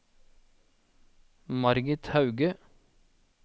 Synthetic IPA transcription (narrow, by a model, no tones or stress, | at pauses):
mɑɾɡɪt̪hɑʉɡə